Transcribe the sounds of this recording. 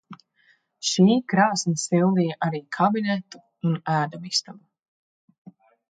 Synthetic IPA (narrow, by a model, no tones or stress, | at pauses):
ʃiːkɾaːsnʲisilˠd̪ijaʔaɾiːkʰabinɛt̪u̥ | unæːd̪ɔmist̪amu